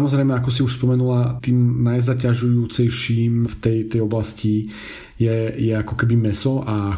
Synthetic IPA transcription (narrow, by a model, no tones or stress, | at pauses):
amɔzɾɛjmɛakɔs̬iuʃspɔmɛnulat̪iːmnajzacaʒujuːt͡sɛjʃiːmft̪ɛjt̪ɛjɔblasci | jɛjɛakɔkɛbimɛsɔʔa